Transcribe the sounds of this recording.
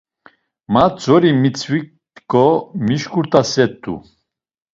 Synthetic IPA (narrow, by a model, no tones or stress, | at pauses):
mat͡sɔɾimit͡sʰwik̪̚ | kʼɔmiʃkuɾt̪ʰʼasɛt̪ʼːṵ